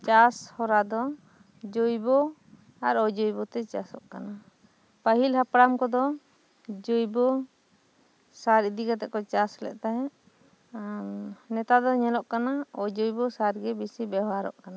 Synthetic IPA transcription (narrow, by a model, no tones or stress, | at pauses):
t͡ʃashɔɾad̪ɔ | d͡ʒojbɔ | aɾɔd͡ʒojbɔt̪ɛt͡ʃasɔʔkana | paɦilhapɾamkɔd̪ɔ | d͡ʒojbɔ | saɾid̪iɡat̪ɛʔkɔt͡ʃaslɛ̰ʔt̪aɦɛ̃ʔ | nɛt̪ad̪ɔɲɛlɔʔkanaɔd͡ʒojbɔsaɾɡɛbisibɛɦaɾɔ̰ʔkana